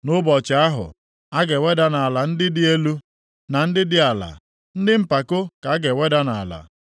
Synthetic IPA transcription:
nʊ˦bɔ˨t͡ʃa˨˦a˦ɦʊ̰˨ | a˦ɡe˨we˦da˦na˨a˨la˨n̩˦dɪ˦dɪ˦e˦lu˦ | na˨n̩˦dɪ˦dɪ˦a˨la̰˨ | n̩˦dɪ˦m̩˦pa˨kʊ˦ka˨˦a˦ɡe˨we˦da˦na˨a̰˨la̰˨

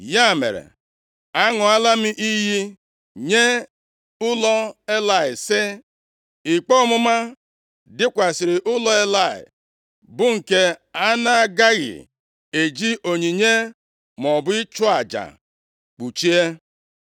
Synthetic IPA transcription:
ja˦˨mḛ˨ɾḛ˨ | a˦ŋʊ˨a˦la˦mɪ˦ʔi˦ɦi˦ | ɲe˦ | ʊ˦lɔ˦e˦la˨ɪ˨sɪ˦ | ɪ˨k͡pɔ˦mʊ˦ma˦ | dɪ˦kʷa˨sɪ˨ɾɪ˨ʔʊ˦lɔ˦e˦la˦˨ɪ̰˨ | bʊ˦ŋ̩˨ke˦a˦na˦a˨ɡa˦ɣɪ̰˨ | e˨d͡ʒi˦ʔo˨ɲi˨ɲe˦ | m˨ɔ˨bʊ˦ɪ˦t͡ʃʊ˦a˨d͡ʒa̰˨ | k͡pu˨t͡ʃi˦e˦

